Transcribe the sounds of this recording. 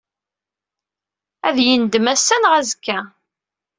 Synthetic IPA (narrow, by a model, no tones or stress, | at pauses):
æðjind̪əmæsːænʁæzəkːæ